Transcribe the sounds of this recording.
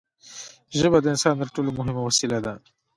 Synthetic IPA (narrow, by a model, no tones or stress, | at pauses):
ʒəbad̪əɪnsɑːnt̪əɾʈoːlomʊɦɪmawɐsilad̪a